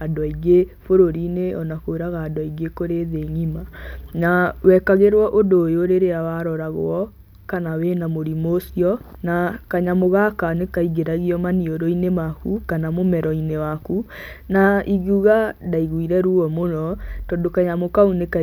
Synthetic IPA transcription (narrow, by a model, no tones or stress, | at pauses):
adwaiɣefoɾoɾineɔnakoeɾaɣaːdwaiɡekoɾeðeɲimanawɛkaɣeɾwɔʔodoːjoɾeɾeawaɾɔɾaɣ̰ɔ | kanawenamoɾimosiɔ | nakaɲamoɣakanekaiɣeɾaɣiɔmanioɾoinemakukanamomɛɾɔinewakunaiɣuɣadaiɣwiɾɛɾuɔmonɔtɔdokaɲamokauneka